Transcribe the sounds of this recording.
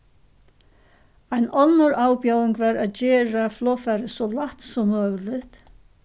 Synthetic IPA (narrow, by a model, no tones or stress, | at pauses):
ajnɔnːʊɾʔaːwpjaːwɪŋkvaɾaðt͡ɕɛːɾaflɔːfɛɾɪsɔlaht̪sɔmœːɣlɪht̪